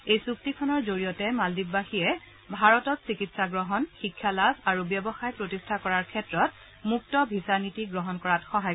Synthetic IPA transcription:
ejsuk̚tikʰɔnɔɹzoɹijɔtɛmaldikbaxiɛ | bʱaɹɔtɔtsikitsaɡɹɔɦɔnxikʰːalasaɹubjɔbɔxajpɹotistʰakɔɹaɹkʰɛtɹɔt | muk̚tɔbʱisaɹnitiɡɹɔɦɔnkɔɹatxɔɦaj

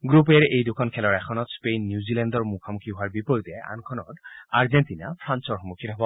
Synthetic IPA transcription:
ɡɹup̬ɛɹejdukʰɔnkʰɛlɔɹɛkʰɔnɔtspenːjuzilɛndɔɹmukʰamukʰiɦoaɹbipɔjitɛʔa̰nkʰɔnɔ̰taɹzentina̰pʰɹansɔɹxɔmukʰitɔɦbɔ

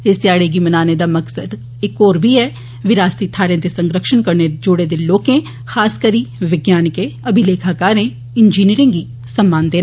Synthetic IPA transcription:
ɪsjaːɽeɡimənaːned̪aːmɐksəd̪ | ɪkoːɾbʱiɛː | ʋɪɾaːst̪it̪ʰaːɽẽːt̪esə̃ŋɡɾəkʃənkəɾned͡ʒʊɽed̪eloːkẽ | xaːskəɾiːʋɪɡjaːnɪkẽɐbʱileːkʰaːkaːɾẽ | ɪnd͡ʒiːniːɾɪ̃ŋɡiː | səmːaːnd̪eːn

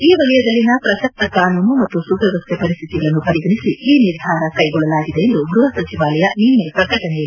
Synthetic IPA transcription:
iːʋɐlɐjɐd̪ɐlːinɐpɾɐsɐk̚t̪ɐkaːnuːnumɐt̪ːusuɡɾɐʋɐst̪ʰjepɐɾist̪ʰit̪iɡɐɭɐnːupɐɾiɡɐnisiiːniɾd̪ʱaːɾɐkɐjɡɔɭːɐlaːɡid̪eend̪uɡɾuɦɐsɐt͡ʃiʋaːlɐjɐninːepɾɐkɐʈɐnɛjɐlːi

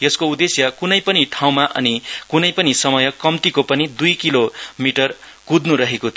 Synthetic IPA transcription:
jʌskoud̪esjʌkunʌjpʌniʈʰaw̃maʔʌ̰nikunʌjpʌnisʌmʌjʌkʌmt̪ikopʌnid̪ujkilomiʈʌr | kud̪nuɾʌɦekot̪ʰ

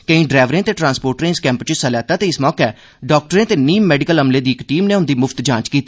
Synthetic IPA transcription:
kəĩːɖɾɛːʋɾẽːt̪eːʈɾãːnspoːɾʈɾẽːɪskɛ̃ːmpt͡ʃəsəlɛːt̪aːt̪eːɪsmɔːkɛː | ɖɔːk̚ʈəɾẽːt̪eːniːmːɛːɖɪkəlɦəmleːd̪iːɪkʈiːmneːʊnd̪iːmʊfʰt̪d͡ʒãːt͡ʃkiːt̪iː

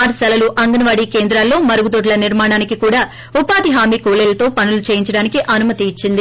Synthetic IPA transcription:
aːɾsɐlɐluʔɐŋɡɐnɐʋaːɽiːke̞ːnd̪ɾaːlːo̞ːmɐɾɐɡud̪oʈ̬lɐniɾmaːɳaːnikikuːɽaː | upaːd̪iɦaːmiːkuːleːlɐt̪o̞ːpɐnulut͡ʃeːjiɲt͡ʃɐɽaːnikiʔɐnumɐt̪iːt͡ʃːind̪i

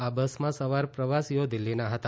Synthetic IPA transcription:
abəsmãsəʋaɾpɾəʋasijod̪ɪlːinaɦət̪a

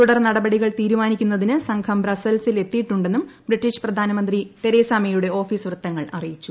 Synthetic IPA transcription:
t̪uɽɐrnɐɽɐbɐɽiɣɐɭt̪iːɾumaːnikʲːunːɐðinɨsɐŋkʰɐmbrɐsɐlsile̞t̪ːijʈːuɳɖe̞nːumbriʈːiɕprɐd̪ʱaːnɐmɐnd̪rit̪e̞ɾeːsaːmejuɽe̞o̞ːfiːsʋrɨt̪ːɐŋːɐɭɐrijit͡ɕːu

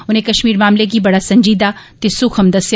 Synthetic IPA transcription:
ʊnẽkɐʃmiːɾmaːmlek̬ibɐɽasɐ̃ɲd͡ʒiːd̪at̪esʊkʰɐmd̪ɐsj

